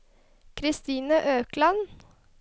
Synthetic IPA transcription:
kʰɾɪst̪iːnəʔøːklɑn

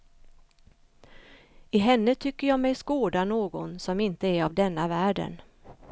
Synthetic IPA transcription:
ɪɦɛnːət̪ʰʏkːəɾjɑːmɛjskoːd̪anoːɡɔnsɔmɪnt̪əæɾavd̪ɛnːavæːɖə̰n

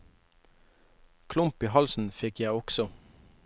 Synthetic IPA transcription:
kʰlʊmpiːhɑlsn̩fɪkjæɪɔksɔ

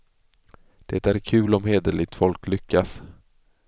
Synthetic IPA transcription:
d̪̥ɛt̪æɾkʰʉ̟ːlɔmheːd̪əɭɪɡ̚t̪fɔlklʏkːas

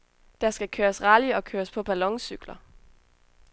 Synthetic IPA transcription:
d̥ɑsɡ̥ækʰøːɐsʁɑliɒ̽kʰøːɐspʰɒ̽b̥ælɒ̽ŋsyɡ̥lɐ

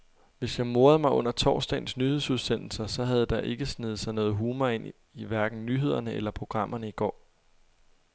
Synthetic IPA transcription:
ʋe̝sjɑ̈ɪmo̝ːɐð̞̩ˠmɑ̈ɪɔ̽n̰ɐt͡sʰɒ̰ːsd̥ɛ̰ːn̩snyhe̝suð̞ˠsen̰l̩sɐsɒ̽ɦæð̞ˠd̥ɑ̈ʔe̝ɡ̥əsnið̩ˠsɑ̈ɪnɔ̽ːð̞̩ˠɦuːmɐe̝n̰ | iʋæɐɡ̥n̩nyɦe̝ð̞̰ˠɐnəelɐpʰʁo̝ɡ̥ʁɑ̈m̰ʔɐnəiɡ̥ɒ̰ː

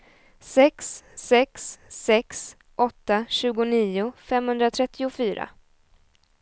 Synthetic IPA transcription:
sɛksːɛksːɛks | ʔɔt̪ːaɕʉ̟ːɡʊniːʊfɛmhɵnd̪ɾat̪ʰɾɛt̪ʰːɪʊfyːɾa̰

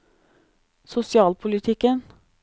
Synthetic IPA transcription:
sʊsɪɑːlpʰʊlɪt̪ʰɪkən

